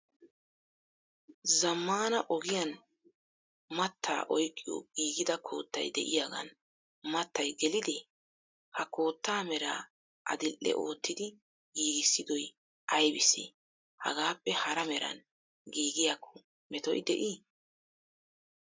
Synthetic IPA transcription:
zɐmːaːnɐʔɔɡɪjɐn | mɐt̪ʰːa̰ːʔɔjkʼːɪjo̰ɡ̥iːɡɪd̪ɐkʰo̞̰ːt̪ːɐ̰jd̪ɛ̰ʔɪjaɡɐ̰n | mɐt̪ːɐjɡɛlɪd̪ɛ | hɐko̞ːt̪ːaːmɛɾaː | ʔɐ̰d̪ɪlʔːɛ̰ʔo̞ːt̪ːɪd̪ɪ | ɡiːɡɪsːɪd̪ɔj | ʔɐjbɪsɛ̰ | hɐ̰ɡaːpːɛhɐɾɐmɛɾɐ̰n | ɡiːɡɪjakʰːʊ̥ | mɛt̪ɔ̰jd̪ɛʔiː

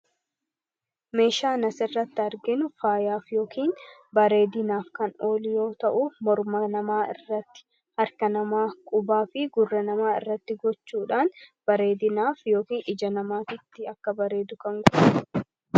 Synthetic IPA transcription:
me̞ːʃaːnɐsɪrːɐt̪ːɪɐɾɡɪnʊfaːjaːfjo̞ːkʰiːnbɐɾe̞ːd̪ɪnaːfkɐno̞ːlɪjo̞ːt̪ɐʔʊmɔɾmɐnɐmaːʔɪrːɐt̪ːɪ̥ | hɐɾkɐnɐmaːkʼʊbaːfɪɡʊrːɐnɐmaːɪ̰rːɐt̪ːɪɡɔt͡ʃːuːᶑaːnb̥ɐɾe̞ːd̪ɪnaːfjo̞ːkiːnɪd͡ʒɐnɐmaːt̪ɪt̪ːɪɐkːɐbɐɾe̞ːd̪ʊkɐŋɡɔʔ

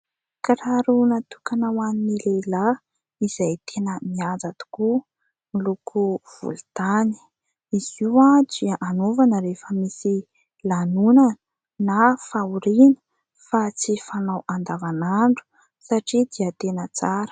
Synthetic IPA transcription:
karaɾunat̪ukanawaninilela | iz̥ajt̪ʰenəmiad͡zat̪u̥ku | milukʰuv̥ṵlut̪ani̥ | iziwad͡ziaʔanovanəɾefəmisi | lanunan | nafauɾinə̥ | fat͡sifanawand̪avanaɳɖ͡ʐu̥ | saʈ͡ʂid̪iat̪enət͡saɾə̥

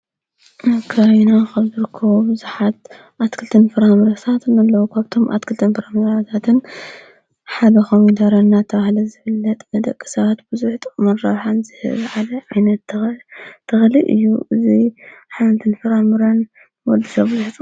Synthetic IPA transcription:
ʔkʰaβinaxʰaβzɨɾɨkʰːɐβobɨzuħat̪ | ʔat̪kʰɨlt̪ʰɨnfɨɾamɨɾɐt̪ʰat̪ʰnɐlːɐwukʰaβt̪ʰo̞mʔa̰t̪kʰɨlt̪ʰɨnfɨɾamɨɾat̪ʰat̪ʰɨn | ħad̪ɐxomid̪aɾɐnːat̪ʰɐβahlɐzɨfɨlːɐt̪ʼmɐd̪ɐkʼːi̥sɐβat̪bɨzuħt̪ʼɨkʼmɐnɾɐβħanzɨhɨ̰βʕalɐʕajnɐt̪ | t̪ʰːɐxliʔɨ̰jːuʔɨziħant̪ʰɨnfɨɾamɨɾɐn | wɔd̪isɐβzɨħt͡sʼ

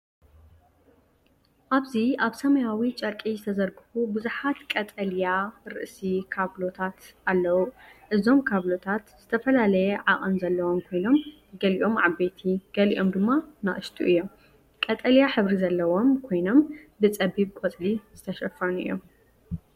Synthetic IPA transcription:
ʔaβziʔaβsɐmɐjawit͡ʃʼɐɾkʼizɨt̪ʰɐzɐɾɡɨβubuzuħat̪kʼɐt̪ʼɐljaɾɨ̰ʔsikʰaβlo̞t̪ʰat̪alːɐwuʔɨzo̞mkʰaβlo̞t̪ʰat̪z̥ɨt̪ʰɐfɐlalɐjɛʕaχʼɨnzɐlːɐwomkʰo̞jno̞m | ɡɐliʔo̞mʕaβːet̪ʰiɡ̥ɐlḭʔo̞md̪ɨmːanaʔɨʃt̪ʰʼuʔɨjːo̞m | kʼɐt̪ʼɐljaħɨβɾizɐlːɐwo̞mkʰo̞jno̞mbɨt͡sʼɐbiβkʷʼot͡sʼliz̥ɨt̪ʰɐʃɐfunɨ̰jːo̰m

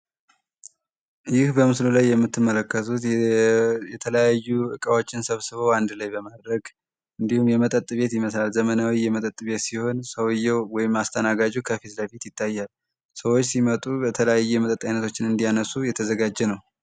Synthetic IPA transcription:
jɪhbəmɨslulajːɛmːɨt̪ːɨmːələkːət̪ʰut̪ | jɛt̪ʰələjajːuɨkʼəwo̞t͡ʃːɪnsəβsɨβowand̪lajbəmad̪ɾəɡ | ʔɨnd̪ihumjɛmət̪ʼət̪ʼβe̞t̪jɪməslalzəmənawijɛmət̪ʼət̪ʼːβe̞t̪siho̞nsəwjɛwwɔjɪmast̪ʰənaɡad͡ʒukʰəfit̪ləfit̪jɪt̪ʰːajːal | səwot͡ʃːsimət̪ʼubət̪ʰələjajːɛmət̪ʼət̪ʼːajnət̪ʰo̞t͡ʃːɪnɨnd̪ijanəsujɛt̪ʰəzəɡad͡ʒːɛnəw

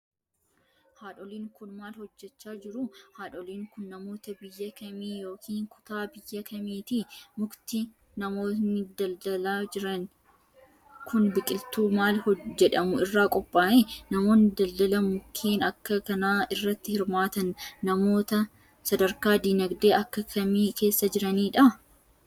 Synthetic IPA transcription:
haːᶑɔliːŋkʊnmaːlhɔd͡ʒːɛt͡ʃːaːd͡ʒɪɾʊhaːᶑɔliːŋkʊnːɐmo̞ːt̪ɐbɪjːɐkɐmiːjo̞ːkʰiːŋkʊ̥t̪aːbɪjːɐkʰɐmiːt̪ɪmʊkt̪ɪ | nɐmo̞ːnɪd̪ɐld̪ɐlaːd͡ʒɪɾɐn | kʊnbɪkʼɪlt̪uːmaːlhɔd͡ʒːɛᶑɐmʊɪrːaːkʼɔpʼːaːʔenɐmo̞ːnːɪd̪ɐld̪ɐlɐmʊkʰːiːnɐkːɐkɐnaːɪrːɐt̪ːɪhɪɾmaːt̪ɐnːɐmo̞ːt̪ɐ | sɐd̪ɐɾkaːd̪iːnɐɡd̪e̞ːɐkːɐkʰɐmiːke̞ːsːɐd͡ʒɪɾɐniːᶑɐ

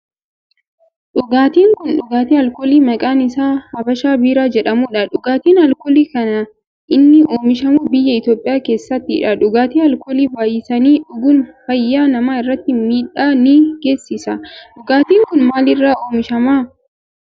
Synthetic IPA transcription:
ᶑʊɡaːt̪iːŋkʊnᶑʊɡaːt̪iːɐlkoːliːmɐkʼaːnɪsaːhɐbɐʃaːbiːɾaːd͡ʒɛᶑɐmuːᶑɐᶑʊɡaːt̪iːnhɐlkɔliːkɐnɐ | ʔɪnːɪʔoːmɪʃɐmʊbɪjːɐɪt̪jo̞ːpʼːɪjaːke̞ːsːɐt̪ːɪɪᶑɐᶑʊɡaːt̪iːhɐlkoːliːbaːjɪsɐniːᶑʊɡʊnfɐjːaːnɐmaːɪrːɐt̪ːɪmiːᶑaːniːɡ̥e̞ːsːɪsɐᶑʊɡaːt̪iːŋkʊnmaːlɪrːaːoːmɪʃɐmaː

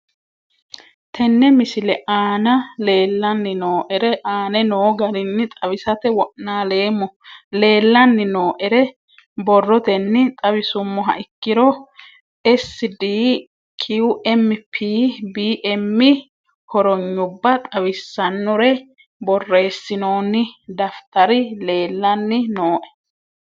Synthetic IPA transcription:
t̪ʰɛnːɛmɪsɪlɛʔaːnɐle̞ːlːɐnːɪnoːʔɛɾɛʔaːnɛnoːɡɐɾɪnːɪt̪ʼɐwɪsɐt̪ɛwɔʔnaːle̞ːmːɔle̞ːlːɐnːɪnoːʔɛɾɛ | bɔrːɔt̪ɛnːɪt̪ʼɐwɪsʊmːɔɦɐ̰ʔɪkːɪɾɔ | ɛsːɪd̪iː | kʰiwʊʔɛmːɪpʰiːbiːʔɛmːɪ | hɔɾɔɲːʊbːɐt̪ʼɐwɪsːɐnːɔɾɛ | bɔrːe̞ːsːɪno̞ːnːɪd̪ɐft̪ɐɾɪle̞ːlːɐnːɪnoːʔɛ̥

